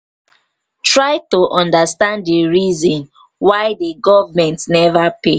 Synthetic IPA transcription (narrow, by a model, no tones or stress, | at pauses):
tɹaɪtoʔɔ̃ndastãnddeɹizɔ̃n | waɪdeɡɔvmɛ̃ntnɛvape